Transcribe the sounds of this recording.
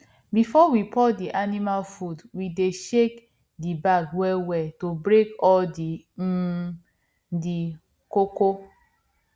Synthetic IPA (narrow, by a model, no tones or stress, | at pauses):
bifɔwipʰɔdiʔanimalfudwideʃek | dibaɡwɛwɛtobɾekɔldi | di | koko